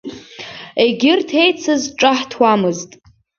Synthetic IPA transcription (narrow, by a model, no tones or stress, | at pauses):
eɡʲɪrtʰe̞jt͡sʰazʈ͡ʂʼaħtʰwamɨztʼ